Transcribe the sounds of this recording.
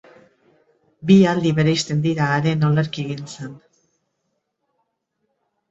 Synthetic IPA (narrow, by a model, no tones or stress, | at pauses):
biald̪iβe̞ɾejst̪e̞nd̪iɾaːɾe̞no̞leɾkieɣint͡sen